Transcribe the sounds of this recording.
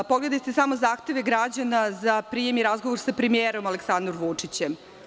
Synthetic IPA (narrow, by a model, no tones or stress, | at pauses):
poɡle̞d̪ajt̪esamozaːxt̪e̞ʋe̞ɡɾad͡ʑanazapɾije̞miɾazɡoʋoɾsapɾemijeːɾo̞malˠeksand̪oɾʋut͡ʂit͡ɕem